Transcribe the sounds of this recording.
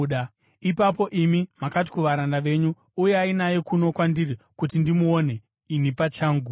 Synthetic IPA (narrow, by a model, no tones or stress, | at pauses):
ɗa | ipap̬o̞ʔimimakat̬i̥kuʋaɾandaʋe̞ːɲuː | jeainaje̞kuno̞kwandirikut̬indimuo̞ne̞ | inipat͡ʃaːŋɡu